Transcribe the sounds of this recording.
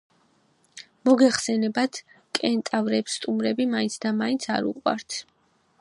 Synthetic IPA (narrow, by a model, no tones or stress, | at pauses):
mɔɡɛχsɛnɛbat̪ʰ | kʼɛnt̪ʼavɾɛpsːt̪ʼumɾɛbimaint̪sʰd̪amaint̪sʰa̰ɾṵqʼwa̰ɾt̪ʰ